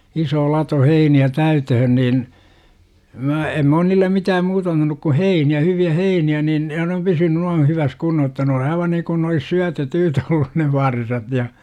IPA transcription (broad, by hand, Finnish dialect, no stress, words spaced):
isoː lɑto heiniæ tæytøhøn niːn mæ em m oːn niːlːem miːtæːm muːtɑ ɑntɑnuk ku heiniæ hyʋiæ heiniæ nin jɑ ne om pysyny nuɑn̞ hyʋæs kunːoh jotːɑ ne on ɑiʋɑ niŋkun ne olis syæ tetyːtæ olːun ne ʋɑrsɑt jɑ